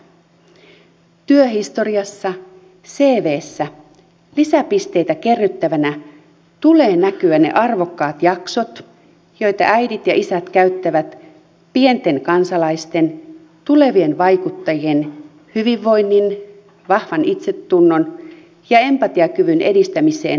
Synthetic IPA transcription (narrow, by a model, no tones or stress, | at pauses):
t̪yøɦist̪o̞ɾiɑsːɑ | se̞ːʋe̞ːsːæ | lisæpist̪e̞jt̪æk̟e̞rːyt̪ːæʋænæ | t̪ule̞ːnækyæne̞̰ʔɑrʋo̞kːɑːt̪jɑkso̞t̪ | jo̞jt̪ɑ̰ʔæjdit̪jɑʔisæt̪kæyt̪ːæʋæt̪ | pie̞nt̪e̞nkɑnsɑlɑist̪e̞n | t̪ule̞ʋie̞nʋɑjkut̪ːɑjie̞n | hyʋiʋːo̞jnːin | ʋɑhʋɑnit̪se̞t̪ːunːo̞n | jɑe̞mpɑt̪iɑkyʋynʔe̞̰dist̪æmise̞̰ːn